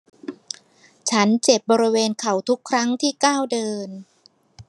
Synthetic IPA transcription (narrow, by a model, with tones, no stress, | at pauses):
t͡ɕʰa˦˥nt͡ɕe˨˩p̚bɔː˧ɾi˦weː˧nkʰa˨˩˦wt̪ʰu˦˥kʰːɾa˦˥ŋt̪ʰiː˥˩kaː˥˩wdɤː˧n